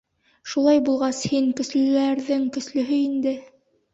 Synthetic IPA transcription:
ʃulˠɑjbulˠʁɑshiŋkɵ̆slɘ̆læɾðɘŋkɵ̆slɵ̆ɦɵind̪ɘ

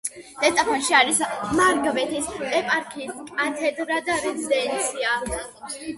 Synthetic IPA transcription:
d̪̥ɛt̪ʼapʰɔnʃiaɾismaɾɡvɛt̪ʰisd̪ʼɛpʼaɾkʰiskʼat̪ʰɛd̪ɾad̪aɾɛzid̪ɛnt̪sʰia

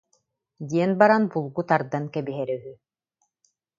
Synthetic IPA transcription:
d̪iɛnbaɾanbulˠɡut̪aɾd̪ankɛbiɦɛɾœɦy

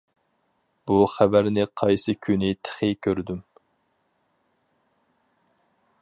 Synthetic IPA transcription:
b̥uχæbæɾnɪqʰɑjsɨkʲʰynɪt̪ʰə̥χɨkʲʰøɾd̪ym

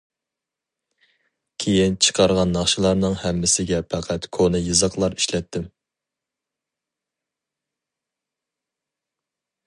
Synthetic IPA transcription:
kʲʰejint͡ʃʰə̥qʰɑɾʁɑnːɑχʃɨlˠɑɾnɨŋhɛmːɪsɪɡʲɛpʰæqʰæt̪kʰonɨjɨzɑqlˠɑɾi̥ʃlɛt̪ʰːɪm

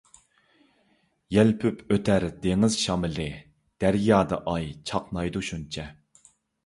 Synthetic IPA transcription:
jɛlpʰypʰøt̪ʰæɾd̪eŋɪz̥ʃɑmɪlɪ | d̪̥æɾjɑːd̪ɑʔɑjt͡ʃʰɑqnɑjd̪uʃunt͡ʃʰɛ

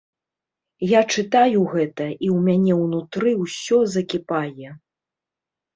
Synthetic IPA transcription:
jat͡ʂɨt̪ajuɣɛt̪ɐʔiwmʲanʲɛwnut̪ɾɨwsʲɔzɐkʲipajɛ

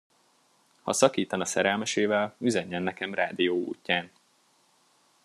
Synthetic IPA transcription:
hɒ̰sɒkiːt̪ɒnɒsɛɾɛlmɛʃeːvɛlyzøɲːɛnːɛkɛmra̰ːd̪ijoːṵːcːaːn

